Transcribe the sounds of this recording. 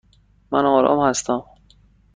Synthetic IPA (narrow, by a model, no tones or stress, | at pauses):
mænɒːɾɒ̰ːmhæst̪æm